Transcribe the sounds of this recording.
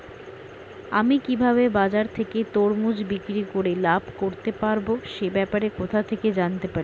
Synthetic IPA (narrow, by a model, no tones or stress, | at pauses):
amikibʱaβebad͡ʑaɾt̪ʰeket̪oɾmud͡ʑbikɾikoɾelabʱkoɾt̪epaɾboʃebɛpaɾekot̪ʰat̪ʰeked͡ʑant̪epaɾi